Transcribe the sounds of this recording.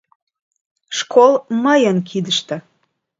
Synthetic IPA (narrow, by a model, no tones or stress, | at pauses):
ʃkʰolˠməjənkʰid̪əʃt̪ə̆